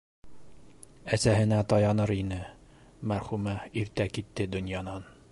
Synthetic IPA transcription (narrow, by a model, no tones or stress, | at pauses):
æsæɦɘ̆næt̪ɒjɑnɤɾinɘ | mæɾχumɑiɾt̪ækit̪ːɘd̪ɵ̆njɑnɑn